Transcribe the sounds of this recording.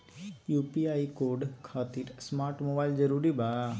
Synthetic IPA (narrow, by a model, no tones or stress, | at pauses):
juːpiaikoɾɖkʰaːt̪iɾsmaːɾʈmobaːilzəɾuːɾiba